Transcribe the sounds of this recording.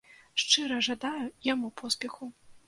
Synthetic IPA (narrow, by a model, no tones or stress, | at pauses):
ʂt͡ʂɨɾɐʐad̪ajujamupʰɔspʲɛxu